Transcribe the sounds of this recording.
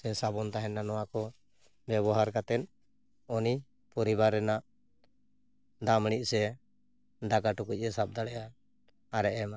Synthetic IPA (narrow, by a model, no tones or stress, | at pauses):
ɛsabɔnt̪aɦɛnanɔwakɔ | bɛβɔɦaɾkat̪ɛt̪̚ | ɔni | pɔɾibaɾːɛnaʔ | d̪amɽ̃iʔ̚sɛ | d̪aɡaʈɔkuc̚ˀɛsap̚d̪aɽɛʔaː | ɾɛʔɛma